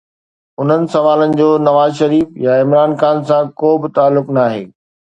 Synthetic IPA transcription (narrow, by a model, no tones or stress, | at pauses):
ʊn̤ənɪ̆sɐʋaːlənɪ̆d͡ʑoːnɐʋaːzʃɐɾiːfjaɪ̃mɾaːnxaːnsãkoːbɪt̪aːlːʊknaːɦḛː